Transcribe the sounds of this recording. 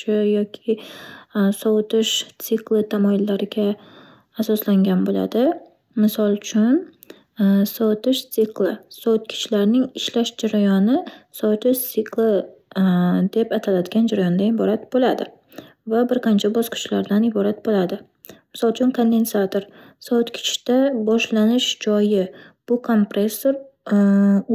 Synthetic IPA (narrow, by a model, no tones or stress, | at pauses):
t͡ʃɪjɒkʲʰɪ | sɒwt̪ɪʃt̪sɪklˠɪt̪ʰamɒjɪlːaɾɪɡʲaː | sɒslaŋɡʲanbola̰d̪ɪ | mɪsɒlˠt͡ʃʰʊn | sɒwt̪ɪʃt̪sɪklˠɪsɒwt̪̚kʲʰɪ̥t͡ʃlaɾnɪŋɪʃlaʃd͡ʒaɾajɒnɪsɒwt̪ʰɪʃt̪ɪklˠɪ | d̪e̞pat̪ʰalad̪ɪɡʲand͡ʒaɾajɒnd̪aɪbɒɾat̪bolad̪ɪ̰ | vabɪɾqʰɑnt͡ʃʰabɒsqʰɨ̥t͡ʃʰlaɾd̪anɪbɒɾat̪̚bolad̪ɪ | mɪsɒlˠt͡ʃʰʊnkʰond̪e̞nsat̪oɾ | sɒwt̪kʲʰɪ̥t͡ʃʰd̪̥abɒʃlanɪʃd͡ʒɒjɪb̥ʊkʰo̞mpɾesːoɾ